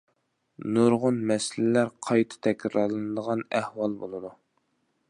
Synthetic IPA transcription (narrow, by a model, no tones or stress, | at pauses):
nuɾʁʊnmɛsɪlɪlæɾqʰɑjt̪ʰɨ̥t̪ʰɛkʲɾɑɾlˠɨnɨd̪əʁɑnæhwɑlˠbo̰lˠɨd̪u